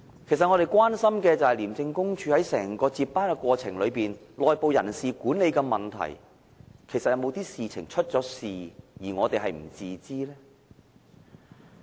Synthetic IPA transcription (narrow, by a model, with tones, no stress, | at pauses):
kʰe˨˩jsɐt̚ŋɔː˨˧ɾe˨jkwaː˥nsɐ˥mkɛː˧t͡sɐ˨whɐ˨jliː˨˩mt͡sɪ˧ŋkʊ˥ŋt͡ʃʰyː˨˧hɐ˨˥jsɛ̰ː˨˩ŋkɔː˧t͡siː˧paː˥nkɛ˧kʷɔː˧t͡sʰɪ˨˩ŋlɵ˨˧piː˨˩nlɔː˨jpo˨˧wjɐ˨˩nsiː˨kuː˨˥nle˨˧jkɛː˧mɐ˨nt̪ʰɐ̰˨˩j | kʰe˨˩sɐ˨t̚jɐ˧wmo˨˧wt̪iː˥siː˨t͡sʰɪ̰˨˩ŋt͡ʃʰɵ˥t̚t͡sɔː˨˥siː˨jiː˨˩ŋɔː˨˧t̪e˨jɦɐ˨jm̩˨˩t͡siː˨˧t͡siː˥lɛː˥